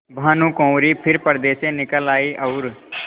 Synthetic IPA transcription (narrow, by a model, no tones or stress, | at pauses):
bʱaːnũːkõːɾiːpʰɪɾpəɾd̪eːsẽnɪkəlaːiːʔɐʊɾ